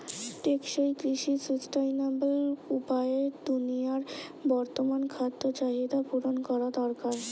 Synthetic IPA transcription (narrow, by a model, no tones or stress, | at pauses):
ʈekʃejkɾiʃisusʈajnabelupaeɾd̪unijaɾbɔɾt̪omankʰat̪ːot͡ɕaɦid̪apuɾonkɔɾad̪ɔɾkaɾ